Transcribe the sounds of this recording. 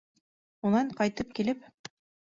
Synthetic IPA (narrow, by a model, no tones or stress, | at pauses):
unɑɴqɑjt̪ɤp̚kilɘp